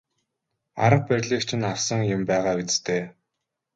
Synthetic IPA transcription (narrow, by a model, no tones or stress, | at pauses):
a̰ɾə̆q̚pærʲɮiːkt͡ɕʰɪ̆naw̥sə̆ŋjʊmpæːʁaːwet͡st̪ʰeː